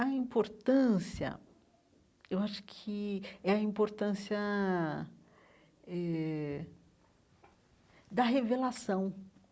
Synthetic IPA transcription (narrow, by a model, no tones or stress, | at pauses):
ɐĩmpoɾt̪ɐ̃siɐ̰ | ewaʃʊ̥kʰɪɛɐĩmpoɾt̪ɐ̃sjɐ | ɛ | d̪ɐɦevelasɐ̃w̃